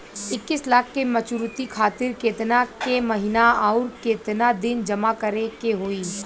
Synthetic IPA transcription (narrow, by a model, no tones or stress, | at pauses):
ɪkːɪslaːkʰkemɐt͡ʃuɾʊt̪ikʰaːt̪ɪɾkeːt̪nakemɐɦɪnaaːʊɾkeːt̪nad̪ɪnd͡ʒɐmakɐɾekeɦoːiː